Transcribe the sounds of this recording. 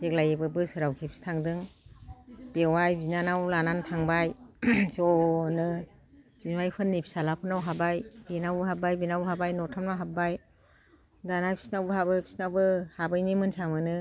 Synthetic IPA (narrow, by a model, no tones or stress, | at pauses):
bek̚lajebɯbɯsɯɾawkʰipʰi̥stʰaŋdɯŋ | b̥ewajbinanawlananpʰaŋbajzɔnɯ | binwajpʰɯnːipʰi̥salapʰɯnawɦabajbinawbɯɦabajbinawbɯɦabajnɔtʰamnawɦap̚baj | danajpʰi̥snawbɯɦabɯpʰi̥snawbɯhabɯjnimɯnsamɯnɯ